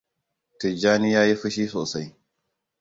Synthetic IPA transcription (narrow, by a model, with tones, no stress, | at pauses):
tɪ˨d͡ʒaː˦ni˦jaː˦ji˦ɸi˦ʃiː˦soː˨sa˦j